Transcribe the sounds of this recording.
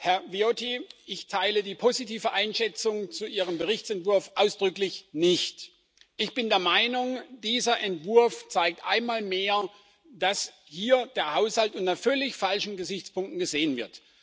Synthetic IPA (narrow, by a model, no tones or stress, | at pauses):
hɛɐviotiʔɪçtʰaɪlədiːpʰozitiːvəʔaɪnʃɛt͡sʊŋt͡suʔiːʁ̞əmbəʁɪçt͡sɛntv̥ʊɐfʔaʊsd̥ʁʏklɪçnɪçt | ʔɪçb̥ɪndeːɐmaɪnʊŋd̥iːzɐʔɛntv̥ʊɐft͡saɪk̚tʔa̰ɪnmaːlmeːɐ | d̥as | hiːɐd̥eːɐhaʊshaltʔʊntɐfœlɪçfalʃn̩ɡəzɪçt͡spʊŋktn̩ɡəzeːənvɪɐt